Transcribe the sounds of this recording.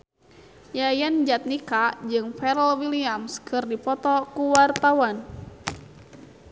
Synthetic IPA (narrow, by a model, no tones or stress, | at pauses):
jajand͡ʒat̪̚nikad͡ʒɨŋfɛɾəlwiliamskʰɨrdipɔt̪ɔkuwart̪awan